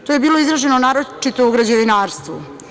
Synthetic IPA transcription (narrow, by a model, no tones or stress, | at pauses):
t̪ojebiːloizɾaʒenonaːɾot͡ʃit̪ouɡɾad͡ʑeʋinaːɾst̪ʋṵ